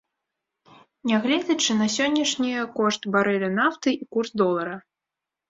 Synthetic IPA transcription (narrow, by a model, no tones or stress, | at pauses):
nʲaɣlʲɛd͡zʲɐt͡ʂɨnɐsʲɔnʲːɐʂnʲijɐkɔʂt̪baɾɛlʲɐnaft̪ɨʔikursd̪ɔlˠɐɾɐ